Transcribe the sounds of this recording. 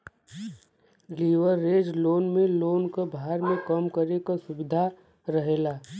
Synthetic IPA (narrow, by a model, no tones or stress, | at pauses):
liːʋəɾːeːd͡ʒloːnmẽloːnkabʱaːɾmẽkəmkəɾekasʊbɪd̪ʱa | ɾəɦeːlaː